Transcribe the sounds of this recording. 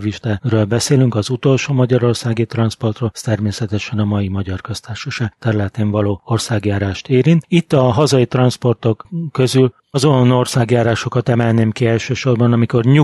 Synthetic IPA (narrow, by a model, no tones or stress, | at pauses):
viʃt̪arøːlbɛseːlyŋkɒzut̪o̞lʃoːmɒɟɒɾo̞rsaːɡit̪rɒnspo̞rt̪roːlst̪ɛrmeːsɛt̪ɛʃɛnɒmɒjimɒɟɒrkøst̪aːrʃoʃaːɡt̪ɛɾylɛt̪eɱvɒloːorsaːɡjaːɾaːʃt̪eːɾint̪it̪ːɒɦɒzɒjit̪rɒnspo̞rt̪o̞kːø̞zyl | zono̞rsaːɡjaːɾaːʃo̞kɒt̪ɛmɛlneːmkiɛlʃøːʃo̞rbɒnɒmiko̞rɲu